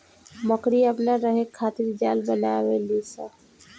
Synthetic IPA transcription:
məkɾiəpnaɾəɦekʰaːt̪iɾd͡ʒaːlbənaːweliːsa

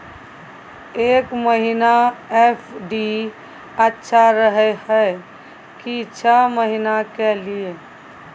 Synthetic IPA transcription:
eːkməɦinaepʰɖi | ətːʃʰaɾəɦɛhəe | kit͡ʃʰəməɦinakelie

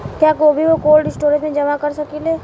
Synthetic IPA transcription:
kjaːkoːbʱiʋokoːlɖɪsʈoːɾẽsmẽd͡ʒɐmakɐɾsɐkileː

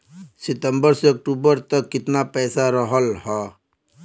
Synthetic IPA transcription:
sɪt̪əmbəɾseək̚ʈuːbəɾt̪əkːɪt̪napɛːsaɾəɦəlɦɛː

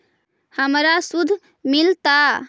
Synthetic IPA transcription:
həmɾasud̪ʱ | milt̪a

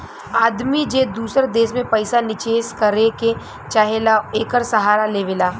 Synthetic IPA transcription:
aːd̪mid͡ʒeːd̪uːsəɾd̪eːʃmẽpɐɪsanɪt͡ʃeːskɐɾeke | t͡ʃaːɦelaeːkəɾsɐɦaːɾaleːʋɪlaː

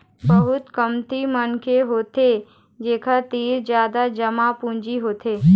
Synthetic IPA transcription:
bɐɦʊt̪kəmt̪imənkeɦoːt̪e | d͡ʒeːkʰat̪iːɾd͡ʒjaːd̪ad͡ʒɐmapũːɲd͡ʒiɦoːt̪ʰeː

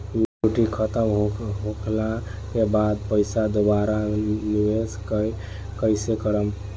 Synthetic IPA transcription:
muʈikʰət̪əmɦɦõkʰlakebad̪̚pəɪsad̪obaɾanibeskə | kəɪsekəɾəm

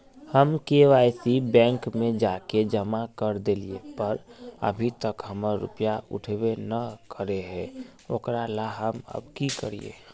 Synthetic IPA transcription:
həmkeʋaːɪsibɛ̃ːŋkmẽd͡ʒaːked͡ʒəmakəɾd̪eliepəɾə̰bʱit̪əkɦəməɾːʊ̰pjaʊ̰ʈʰwenəkəɾeɦɛ̃ | oːkɾalaɦəmə̰bkikəɾḭḛː

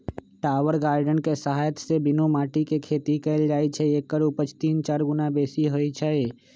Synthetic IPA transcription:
ʈaːʋəɾɡaːɾɖənkesəɦaːjət̪sebɪnumaːʈikekʰeːt̪ikɛɪld͡ʒaːjt͡ʃʰɛekːəɾupət͡ʃʰt̪iːnt͡ʃaːɾɡʊnabeːsiɦojt͡ʃʰɛ

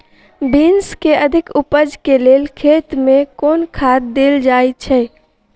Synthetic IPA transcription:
binskeəd̪ʱikupəd͡ʒkelelkʰet̪mekonkʰat̪̚d̪eld͡ʒajt͡ʃʰɛ

